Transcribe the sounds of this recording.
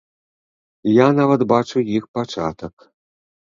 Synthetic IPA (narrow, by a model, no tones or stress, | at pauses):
janavɐt̪bat͡ʂujixpat͡ʂat̪ək